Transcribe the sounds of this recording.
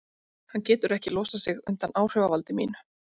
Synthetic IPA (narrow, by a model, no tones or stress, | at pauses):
hancɛːt̪ʏɾɛhcɪlɔːsasɪɣʏ̰nt̪anaːwr̥œvavalt̪ɪmḭːnʏ